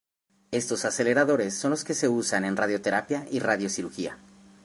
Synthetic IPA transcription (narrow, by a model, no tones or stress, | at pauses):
e̞st̪o̞sase̞le̞ɾaðo̞ɾe̞sːo̞nlo̞ske̞se̞usane̞nrað̞jo̞t̪e̞ɾapjaʔiraðjosiɾuxia̰